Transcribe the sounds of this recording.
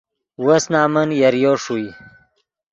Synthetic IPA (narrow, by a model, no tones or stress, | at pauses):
wəsnaːmənjɐɾjoʂui